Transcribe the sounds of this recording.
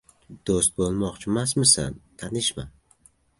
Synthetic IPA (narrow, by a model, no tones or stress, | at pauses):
d̪̥ost̪̚bolˠmɒqt͡ʃʰɪmasmɪsa̰nt̪ʰanɪʃma